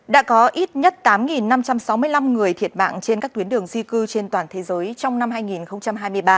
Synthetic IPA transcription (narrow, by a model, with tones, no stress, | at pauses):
ɗa̰ː˧˥kɔ˨˦ʔi˦˥t̚ɲə˦˥t̚t̪aː˨˦mŋi˨˩nːa˧mt͡ɕa˧msa˨˦wmɨ˧əjla˧mŋɨ˨˩əjt̪ʰi˨˩ət̚ma̰ː˧˨ŋt͡ɕe˧nkaː˦˥kt̪wi˨˦ənɗɨ˨˩əŋzi˧kɨ˧t͡ɕe˧nt̪waː˨˩nt̪ʰe˨˦zəː˨˦jt͡ɕɔ˧wŋ͡mna˧mɦaː˧jŋi˨˩nxə˧wŋ͡mt͡ɕa˧mɦaː˧jmɨ˧əjɓaː˧